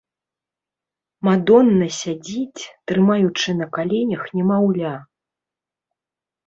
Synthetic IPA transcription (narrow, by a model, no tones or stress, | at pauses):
mad̪ɔnːɐsʲad͡zʲit͡sʲt̪ɾɨmajut͡ʂɨnɐkalʲɛnʲɐxnʲɛmawlʲa